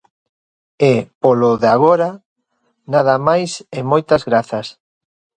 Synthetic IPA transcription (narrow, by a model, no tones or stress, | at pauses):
ɪpoloðeaɣ̞oɾa | nað̞amajsɪmojt̪azɣɾaθas